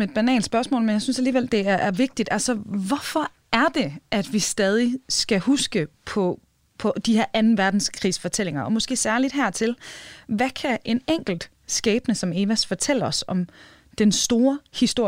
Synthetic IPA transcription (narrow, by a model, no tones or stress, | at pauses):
me̝d̥̚b̥ænɛ̰ːlnd̥sb̥ɶɐsmɔ̰lmenjaɪsynsæliːʋel̰d̥e̝æɐʔæɐʋe̝ɡ̥̚d̥id̥ælsɐʋɒfɒ̽ | æɐd̥e̝ʔæd̥ʋisd̥ɛːð̞ˠisɡ̥æhusɡ̥əpʰɒ̽ | pʰɒ̽d̥iheɐʔænn̩ʋæɐd̥n̩skʰʁḭːsfɒ̽t͡sʰel̰e̝ŋɐɒ̽mɔ̽sɡ̥e̝̰ːsæɐlid̥ɦæɐ̰t͡sʰe̝lʋækʰæʔe̝neŋ̰ɡ̥l̩d̥ | sɡ̥ɛːb̥nəsɒ̽me̝ːʋæsfɒt͡sʰel̰əɒ̽sɒ̽m | d̥ensd̥o̝ːɐhisd̥o̝ɐ̰